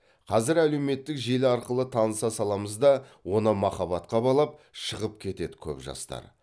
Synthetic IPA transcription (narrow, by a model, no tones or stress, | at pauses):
qʰɑzɪɾæle̞wme̞t̪ːɪkʒelɪɑɾqəlˠət̪ʰɑnəsɑsɑlˠɑməzd̪ɑwo̞nəmɑχɑβɑt̪qɑbɑlˠɑp̚ʃəʁəp̚kʲʰe̞t̪e̞d̪ɪkʲʰɵ̰pʒɑ̰st̪ɑ̰ɾ